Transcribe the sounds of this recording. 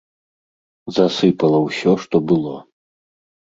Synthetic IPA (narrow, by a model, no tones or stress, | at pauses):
zasɨpɐlˠɐwsʲɔʂt̪ɔbɨlˠɔ